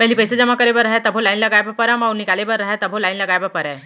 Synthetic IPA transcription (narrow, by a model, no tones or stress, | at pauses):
pɛɦlipəjsad͡ʑəmakəɾebəɾːaɦjat̪əbʱolainləɡajbəpəɾamaunːikalebəɾːaɦjat̪əbʱolainləɡajbəpəɾa